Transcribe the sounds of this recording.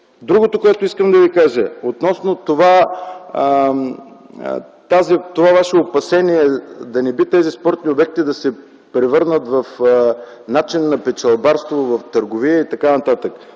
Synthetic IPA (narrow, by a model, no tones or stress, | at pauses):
d̪ɾuɡot̪okoɛt̪oiskəmd̪ɐvikaʒəot̪nɔsnot̪ova | t̪azit̪ovavaʃɛopɐsɛniɛd̪ɐnɛbit̪ɛzispɔɾt̪niobɛk̚t̪id̪ɐsɛ | pɾɛvɤɾnət̪vɐf | nat͡ʃinːɐpɛt͡ʃɐlˠbaɾst̪vovɐft̪əɾɡoviəit̪ɐkanɐt̪at̪ək